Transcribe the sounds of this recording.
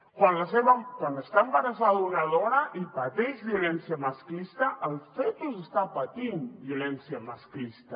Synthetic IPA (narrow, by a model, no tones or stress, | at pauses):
kwanlaseβakwanəst̪aəmbaɾas̬aðunaðoɾaʔipat̪eʒβiulɛnsjamaskist̪aʔəlˠfet̪uzəst̪apat̪inbjolɛnsjamasklist̪a